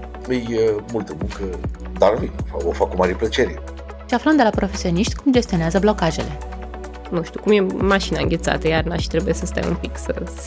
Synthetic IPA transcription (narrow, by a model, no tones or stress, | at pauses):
əjəmult̪əmuŋkə | d̪aɾvijfavofakumaɾʲiplət͡ʃeɾʲe | ʃiaflənd̪e̞lapɾo̞fe̞sio̞niʃt̪ʲkumd͡ʒe̞st̪io̞neazəblo̞kaʒe̞̰le̞ | nuʃt̪ukumje̞maʃinaɨŋʲɡʲet̪sa̰t̪əjarnaʃt̪ɾebuje̞səst̪a̰j̰mṵmpiksə